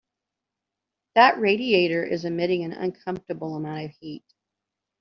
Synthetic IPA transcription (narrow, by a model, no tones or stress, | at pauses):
ðəʔ̚ɹeɪɾieɪɾə˞ʔɪ̰zɨmɪɾɪ̃ŋɨ̃nʌ̰̃nkʰʌ̃ɱftə˞bl̩ˠəmãʊ̃ntʌv̥hit̚